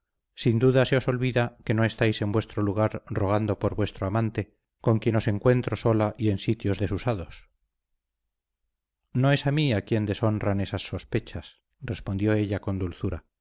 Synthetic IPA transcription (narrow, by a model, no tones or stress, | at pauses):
sind̪uðase̞oso̞lβiðake̞no̞e̞st̪ajse̞mbwe̞st̪ɾoluɣ̞aɾroɣ̞and̪o̞po̞ɾβwe̞st̪ɾoamãnt̪e̞ | ko̞ŋkje̞no̞se̞ŋkwe̞nt̪ɾo̞so̞laʔie̞nsit̪jo̞zðe̞susaðo̞s | noe̞samiakje̞nd̪e̞so̞nrane̞sasːo̞spe̞t͡ʃas | re̞spo̞nd̪jo̞e̞ʎako̞nd̪ulθuɾa